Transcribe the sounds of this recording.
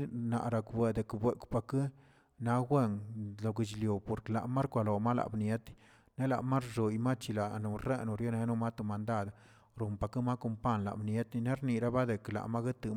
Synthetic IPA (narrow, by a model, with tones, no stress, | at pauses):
na̰˨ʔɾa˨kbwe˨d̪e˨kbwe˨kpa˧kɨ˦ | na˧˦ɡwe˦ŋlo˨ɡi˨t͡ʃljo˨po˨ɾkla̰˨ʔma˦ɾkʷa˨˧lo˨ma˦la̰˨bnje˦t̪ | ne˦la̰˨ʔma˦ɾʐo˨jma˦t͡ʃi˧la˨ʔno˨ɾe˦no˨ɾje˦ne˧˦no˦ma˦t̪o˨ma˨nd̪a˦˨d̪ | ɾo˨mpa˨kɨ˦ma˦ko˧mpa˦˨nla̰˨bnje˦t̪i˧ne˦ɾni˨ɾa˦ba˦d̪e˨kla̰˨ma˦ɡe˦t̪ɨ˧